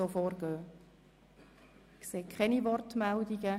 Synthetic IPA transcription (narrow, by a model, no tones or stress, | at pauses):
oːfɔːrɡøː | kseːkʰχɛniʋɔrtmɛldiɡə